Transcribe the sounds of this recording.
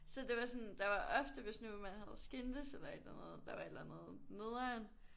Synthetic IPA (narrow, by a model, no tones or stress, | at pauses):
sɒ̽d̥e̝ʋɑ̈sɒ̽nd̥ɑ̈ʋɑ̈ʔɒfd̥əʋe̝snumænhæð̞̩ˠsɡ̥end̥əselɐe̝d̥lænəð̩ˠd̥ɑ̈ʋɑ̈e̝d̥lænð̩ˠne̝ðˠæn